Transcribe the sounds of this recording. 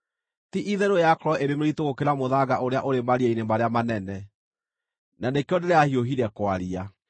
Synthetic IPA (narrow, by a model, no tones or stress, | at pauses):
tiʔiðɛɾojakɾɔʔeɾemeɾitoɣokeɾamoðaɣaʔoɾeaʔoɾemaɾiainemaɾeamanɛnɛ | nanekeɔdeɾɛahioɦiɾɛkwaɾia